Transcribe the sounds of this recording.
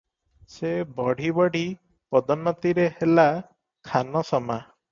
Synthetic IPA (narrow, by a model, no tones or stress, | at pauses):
sebɔɽ̤ʱibɔɽ̤i | pɔd̪ɔnːɔt̪iɾehela | kʰanɔsɔma